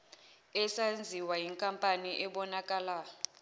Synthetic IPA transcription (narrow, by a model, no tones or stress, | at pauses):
ɛsand͡zʱiwajiŋkʼampʼaniʔɛɓɔnak̬ʼalaːjɔ